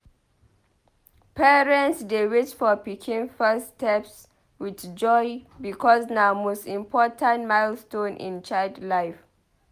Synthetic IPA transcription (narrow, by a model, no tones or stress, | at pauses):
pʰɛɹɛ̃ntsdewet͡ʃfɔpikʰĩnfɛstɛps | widd͡ʒɔjbikʰɔsnamostĩmpʰɔtʰãnmaɪlstõnʔḭ̃nt͡ʃajldlaɪf